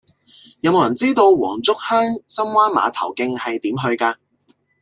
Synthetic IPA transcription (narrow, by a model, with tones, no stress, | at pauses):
jɐ˧wmo˨˧jɐ˨˩nt͡siː˥t̪o˧wwɔ̰ː˨˩ŋt͡sʊ˥k̚hœː˥ŋsɐ˥mwaː˥nma̰ː˨˧t̪ʰɐ̰˨˩wkɪ˧ŋhɐ˨jt̪iː˨˥mɦɵ˧ɥkaː˧